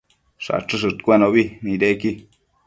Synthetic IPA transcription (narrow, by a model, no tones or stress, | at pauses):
ʂa̰ʈ͡ʂɨʂ̬ɨt̪kʷenõβimĩɾeki